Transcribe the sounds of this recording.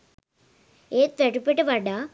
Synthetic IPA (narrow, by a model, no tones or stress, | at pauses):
eːt̪ːeʈupːeʈːɨʋɐɖa